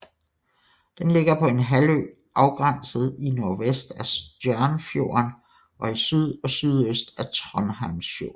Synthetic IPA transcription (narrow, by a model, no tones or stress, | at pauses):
d̥enle̝ɡ̥ɐpʰɒ̽e̝nɦælø̰ | ʔɑ̈ʊɡ̥ʁɑn̰səð̞̩ˠino̝ɐʋesd̥æsd̥jœɐnfjo̝̰ɐn | ʔɒ̽isyð̞ˠɒ̽syðˠøsd̥æt͡sʰʁɒnɦɑ̈msfjo̝̰ː